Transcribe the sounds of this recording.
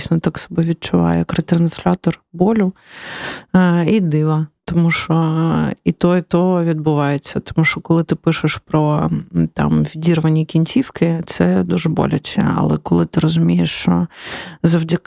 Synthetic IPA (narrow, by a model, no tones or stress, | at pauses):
isʲnɔt̪aksɔ̥bɛʋʲid̪̚t͡ʃʊʋɑ̰jɛkɾɛt̪ɾɐnsʲlʲat̪ɔrbɔlʲʊ | id̪ɪʋɐt̪ɔmuʃɔit̪ɔit̪ɔɦɔʋʲid̪̚bʊʋɑjet͡sʲːɐt̪ɔ̥muʃt͡ʃɔkɔlˠɪt̪ɪpɪʃɪʃpɾɔt̪ɑ̰mʋʲidʲirʋɐnʲːikʲinʲt͡sʲiwkɪt̪sɛd̪uʒɛbɔ̰lʲɐt͡ʃɛ̰ɐ̰lˠɛkɔlˠɪt̪ɪɾɔzʊmʲijeʃt͡ʃɔ̰zɐwdʲɐk